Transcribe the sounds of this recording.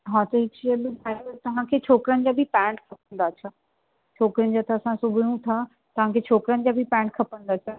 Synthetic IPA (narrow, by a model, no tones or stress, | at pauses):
ɦãːt̪ɐɦɪebɪbʱaːɪɾot̪ɐʋ̤ãkʰeːt͡ɕʰoːkɾənɪ̆d͡ʑaːbʱɪpɛ̃ːɳʈkʰɐp̚ə̃nd̪aːt͡ɕʰa | t͡ɕʰoːkɾənɪ̆d͡ʑaːt̪ʰɐɐsãsʊbʱjũt̪ʰa | t̪ɐʋ̤ãkʰeːt͡ɕʰoːkɾənɪ̆d͡ʑaːbʱipɛ̃ːɳʈkʰɐpə̃nd̪aːt͡ɕʰa